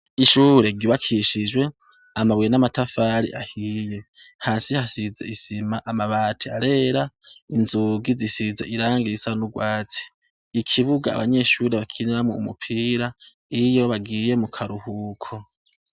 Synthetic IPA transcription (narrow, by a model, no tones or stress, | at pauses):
iʃuːɾe̞ɡiβakʰiʃid͡ʒwe̞ | amaβwenamatafaːɾḭʔahiːje̞ | haːsihasizeisimaʔamaβaːtʰiaɾe̞ːɾa | inzuːɡizisizeiɾaːŋɡisanuɡwaːt͡si̥ː | kʰiβuɡa̰ːβaɲe̞ʃuːɾeβakʰiniɾamoumṵpʰiːɾa | ijo̞βaɡiːje̞mukʰaɾuhuːkʰo